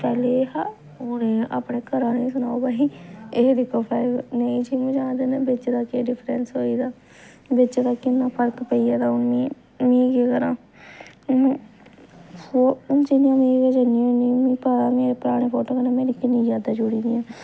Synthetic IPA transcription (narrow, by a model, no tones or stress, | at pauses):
pɛːleɦa | oːneːʔa̰ːpɳeːkəɾãːnẽːsʊnaːobaːiːeːd̪ɪkʰːoːpɛːnəĩːd͡ʒiːmũːd͡ʒãːnd̪eːneːbɪt͡ʃd̪aːkeːɖɪpʰɾɛnsɦoːiːd̪aː | bɪt͡ʃd̪aːkɪnːãːpʰəɾkpəiːaːd̪aːʊnmiː | mẽːkeːkəɾãː | oʊnd͡ʒɪnijãːmĩːɡed͡ʒəniãːʊnimĩːpaːɾãːmeːɾepɾaːɽ̃eːpʰoːʈoːkənẽːmẽːɾikɪnĩːd͡ʒaːd̪aːd͡ʒʊɽiːd̪ijãː